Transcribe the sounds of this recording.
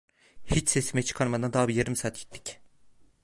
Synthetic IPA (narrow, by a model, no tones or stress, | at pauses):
hit͡ʃsesimɛjt͡ʃʰɯ̥kʰaɾmad̪and̪aɦɯbijeɾimsaːt̪ʰji̥t̪ʰːi̥c